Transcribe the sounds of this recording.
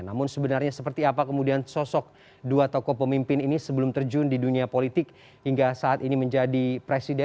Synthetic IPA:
namʊnsəbənarɲasəpərt̪iapakəmudiansɔsɔk̚ | duat̪ɔkɔpəmimpɪninisəbəlʊmt̪ərd͡ʒundiduniapolit̪ɪk̚ | hiŋɡasaːt̪iniməɲd͡ʒadipɾesidɛ

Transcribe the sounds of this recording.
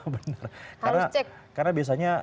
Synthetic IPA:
bənərkarnat͡ʃɛk̚ | karnabias̬aɲa

